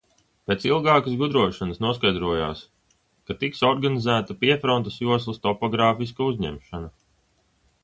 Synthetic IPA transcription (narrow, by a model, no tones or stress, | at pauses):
pet̪silˠɡɑːkɐzɡud̪ɾuɔʃanɐsnuɔskajd̪ɾuɔja̰ːs | kat̪iksɔɾɡanizæːt̪ɐpiɛfɾɔnt̪ɐsjuɔs̬lˠɐst̪ɔpɔɡɾaːfis̬kauzʲɲɛ̰mʃanɐ